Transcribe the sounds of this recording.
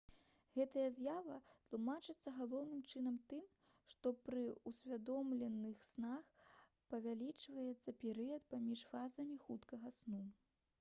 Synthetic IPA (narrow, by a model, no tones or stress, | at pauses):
ɣɛt̪ɐjɐzʲjavɐt̪lˠumat͡ʂɨt̪sːɐɣalˠɔwnɨmt͡ʂɨnɐmt̪ɨm | ʂt̪ɔpɾɨusʲvʲad̪ɔmlʲɛnɨxsnax | pɐvʲalʲit͡ʂvɐjɛt̪sːɐpʲɛɾɨjɐt̪̚pamʲiʂfazɐmʲixut̪kɐɣɐsnu